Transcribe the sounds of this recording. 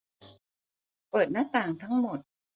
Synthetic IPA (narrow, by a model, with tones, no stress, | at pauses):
pɤː˨˩t̪̚na˦˥t̪aː˨˩ŋt̪ʰa˦˥ŋmo˨˩t̪̚